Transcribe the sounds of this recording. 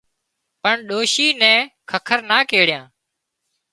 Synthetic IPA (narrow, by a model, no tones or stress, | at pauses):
pəɳɗoːʃiːnɛ̃ːkʰəkʰəɾnaːkeːɽɪjãː